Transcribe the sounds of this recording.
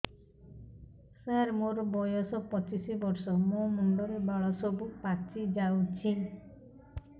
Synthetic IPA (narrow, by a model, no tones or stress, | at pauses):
saɾmoɾɔbɔjɔsɔpɔt͡ʃisibɔɾsɔmomuɳɖɔɾebaɭɔsɔbupat͡ʃid͡ʒawt͡ʃʰi